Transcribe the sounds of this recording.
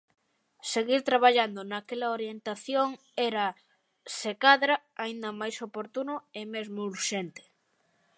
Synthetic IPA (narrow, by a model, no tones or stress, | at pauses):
seɣiɾt̪ɾaβ̞aʎand̪onakelɐoɾjent̪aθjoŋ | ɛɾɐ | sekaðɾa | aind̪ɐmajsopoɾt̪unʊemezmouɾʃent̪e̥